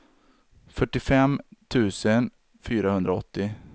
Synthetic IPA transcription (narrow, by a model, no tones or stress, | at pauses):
fœʈːɪfɛmt̪ʰʉ̟ːsən | fyːɾahɵnd̪ɾaɔ̰t̪ːɪ